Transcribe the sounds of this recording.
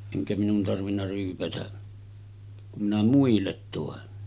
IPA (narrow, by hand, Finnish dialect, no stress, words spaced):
eŋkæ minun tɑrʋinːɑ ryːpætæ kum minæ muilːet toˑen